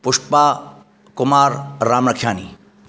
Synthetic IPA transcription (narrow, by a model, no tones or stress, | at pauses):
pʊʂʈpaː | kʊmaːɾːaːmnɐkʰːjaːni